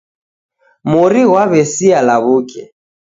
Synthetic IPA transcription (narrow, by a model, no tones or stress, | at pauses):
muɾiɣwaβɛsialaβukɛ